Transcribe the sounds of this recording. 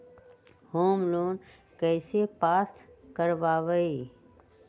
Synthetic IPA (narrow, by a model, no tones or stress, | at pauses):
hoːmloːn | kɛːsepaːt̪ʰkəɾʋaːʋəi